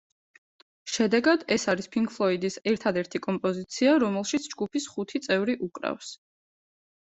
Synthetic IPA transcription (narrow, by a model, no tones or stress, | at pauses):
ʃɛd̪ɛɡad̪ɛsaɾispʰiŋkʰfʰlˠɔid̪isɛɾt̪ʰad̪ɛɾt̪ʰikʼɔmpʼɔzit̪sʰiaɾɔmɛlˠʃit̪sʰd͡ʒɡupʰisχut̪ʰit̪sʼɛvɾiʔukʼɾa̰fs